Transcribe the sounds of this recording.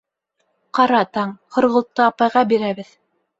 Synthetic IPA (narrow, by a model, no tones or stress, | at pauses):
qɑɾɑt̪ɑɴχŏɾʁɤ̆lˠt̪ːɤɑpɑjʁɑbiɾæβɘð